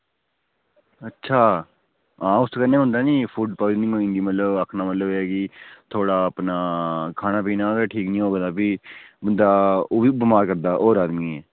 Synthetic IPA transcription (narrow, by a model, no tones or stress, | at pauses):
ətːʃʰaː | ãːʊst̪kənːeːɦʊ̃nd̪aːnĩːpʰuːɖpəʋd͡ʒnĩːɦoːĩːnd̪iːmət̪ləbəkʰnaːmət̪ləbɛːkit̪ʰoːɽaːəpnaːkʰaːnãːpiːnaːɡeːʈʰiːknĩːɦoːɡd̪aːbiːbənd̪aːoːʋiːbəmaːɾkəɾd̪aːʔoːɾaːd̪miːɛː